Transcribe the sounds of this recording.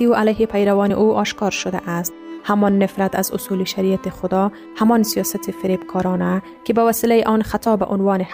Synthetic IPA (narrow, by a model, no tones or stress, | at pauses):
iuʔalajɦepʰajɾawɒnɪʔuʔɒʃkɒɾʃʊd̪a̰ʔast̪̚hamɒnːɪfɾat̪azʊsuliʃaɾijat̪exʊd̪ɒ | hamɒnsijɒsat̪ʰefɪɾebkʰɒɾɔna | kɪbawasɪlajiʔɔnxat̪ʰɒbaʔʊnwɒːnɪh